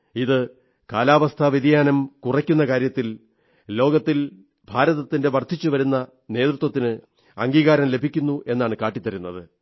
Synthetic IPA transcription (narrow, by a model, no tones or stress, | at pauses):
iðɨ | kaːlaːʋɐst̪ʰɐʋiðijaːnɐmkurɐkʲːunːɐkaːɾjɐt̪ːil | lo̞ːɡɐt̪ːil | bʱaːɾɐðɐt̪ːinde̞ʋɐrt̪ʰːit͡ɕːuʋɐɾunːɐ | ne̞ːt̪rut̪ːwɐt̪ːinɨ | ɐŋɡiːɣaːɾɐmle̞bʱikʲːunːuʔe̞nːaːɳɨkaːʈːit̪ːɐɾunːɐðɨ